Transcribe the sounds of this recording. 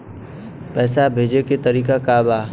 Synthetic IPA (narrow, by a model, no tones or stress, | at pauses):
pɛːsabʱeːd͡ʒeket̪əɾiːkakaːbaː